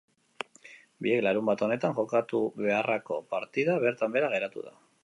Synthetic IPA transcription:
bie̞klaɾumbat̪o̞ne̞t̪aŋʝo̞kat̪uβe̞arako̞paɾt̪iðaβ̞e̞ɾt̪ambe̞ɾaɣ̞e̞ɾat̪ṵða̰

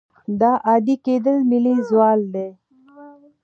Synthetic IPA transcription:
d̪ɑʔɑd̪iked̪əlmɪlizwɑːld̪e

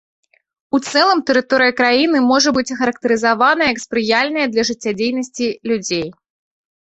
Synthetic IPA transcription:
ut̪sɛlˠɐmt̪əɾɨt̪ɔɾɨjɐkɾajinɨmɔʐɐbɨt͡sʲxɐɾɐk̚t̪ɨɾɨzavanɐjɐjɐkspɾɨjalʲnɐjɐd̪lʲɐʐɨt͡sʲːad͡zʲejnɐsʲt͡sʲilʲud͡zʲej

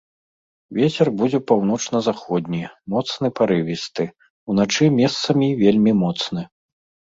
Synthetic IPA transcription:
vʲet͡sʲɛrbud͡zʲɛpawnɔt͡ʂnɐzaxɔd̪ʲnʲimɔt̪snɨpaɾɨvʲist̪ɨ | unat͡ʂɨmʲɛst̪sɐmʲivʲelʲmʲimɔt̪snɨ

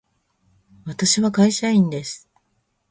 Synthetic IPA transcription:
βat̪aɕiβakaiɕaĩnd̪e̞sɨ̥

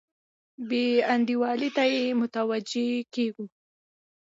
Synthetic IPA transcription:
beand̪iwɑlit̪ajemʊt̪awad͡ʒekeɡu

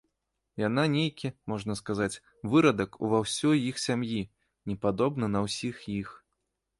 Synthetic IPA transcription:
jananʲejkʲimɔʐnɐskazat͡sʲ | vɨɾɐd̪ɐkṵvawsʲɔjixsʲamji | nʲɛpad̪ɔbnɨnɐwsʲixjix

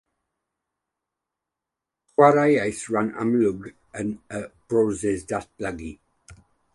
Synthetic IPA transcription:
χwaɾajajsɹana̰mlʊɡ | ənəb̥ɹoːzɪzdaθb̥ləɡi

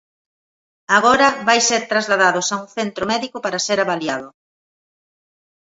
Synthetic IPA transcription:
aɣɔɾɐβajseɾt̪ɾazlaðaðʊsauŋθent̪ɾomɛðikʊpaɾɐseɾaβaliaðʊ

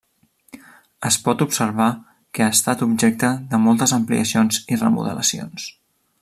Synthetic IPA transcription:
əspɔt̪upsəɾβ̞a | kəast̪at̪ubʒɛk̚t̪əðəmɔlˠt̪əzəmplḭəsionzirə̰mṵðə̰ləsio̰ns

